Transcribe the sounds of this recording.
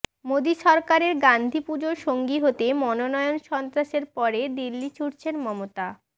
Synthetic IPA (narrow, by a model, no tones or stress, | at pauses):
mod̪iʃɔɾkaɾeɾɡand̪ʱipud͡ʑoɾʃoŋɡiɦot̪emɔnonɔeonʃɔnt̪ɾaʃeɾpɔɾed̪ilːit͡ɕʰuɾt͡ɕʰenmɔmot̪a